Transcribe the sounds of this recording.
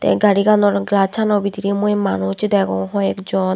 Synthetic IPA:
t̪ɛ̰ɡaɾiɡanɔɾɡlat͡ɕʰanɔbit̪iɾimuemanot͡ɕid̪ɛɡɔŋɦɔɛkd͡ʑɔn

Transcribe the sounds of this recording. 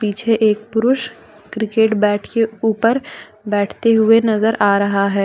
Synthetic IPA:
piːt͡ʃʰeʔeːk̚pʊɾʊʃ | kɾɪkeːʈbɛːʈʰkeuːpəɾ | bɛːʈʰt̪eɦʊenɐzəɾʔaːɾɐɦaɦɛː

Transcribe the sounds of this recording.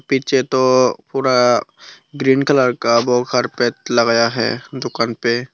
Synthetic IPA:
piːt͡ʃʰet̪opuːɾa | ɡɾiːnkələɾkaboːəɾpɛːt̪̚ləɡjaɦɛ̰ːd̪ʊkaːnpe

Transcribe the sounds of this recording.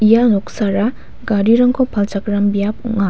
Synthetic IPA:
ijanɔksaɾa | ɡaɾiɾaŋkʰɔpʰalt͡ʃakɾambijap̚uŋa

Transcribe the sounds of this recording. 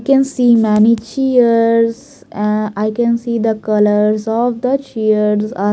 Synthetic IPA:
kɛ̃nsiːmɛnit͡ʃiəɾɾzz | ɛ̃aɪkɛ̃nsiːd̪əkʌləɾzɔʋd̪ət͡ʃiəɾɾza

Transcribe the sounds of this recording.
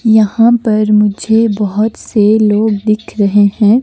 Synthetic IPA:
jɐɦãpɐɾmʊd͡ʒʱebɐɦʊt̪seloːɡ̚d̪ɪkʰɾɐɦehɛ̃ː

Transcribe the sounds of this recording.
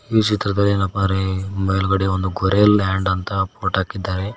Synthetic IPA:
iːt͡ʃit̪ɾɐd̪ɐlːinɐpːɐɾemɐjluɡɐɽeond̪uɡɔɾeːlːaːɳɖɐnt̪ɐpoːʈaːkid̪ːaːɾe

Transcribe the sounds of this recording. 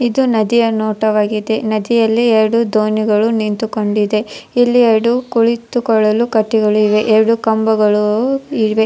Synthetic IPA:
id̪unɐd̪ijɐnoːʈɐʋaːɡid̪e̞nɐd̪ijɐlːiɛɾɐɽud̪oːniɡɐɭunint̪ukoɳɖid̪e̞ilːiɛɾɐɽukuɭit̪ukɔɭːɐlukɐʈːiɡɐɭuiʋe̞ʔɛɾɐɽukɐmbɐɡɐɭuiʋe̞

